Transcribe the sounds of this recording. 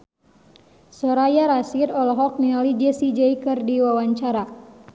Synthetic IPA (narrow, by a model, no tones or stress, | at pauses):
sɔɾajaɾasiɾɔlɔɦɔk̚nialid͡ʒɛsid͡ʒɛikərdiwawaɲt͡ʃaɾa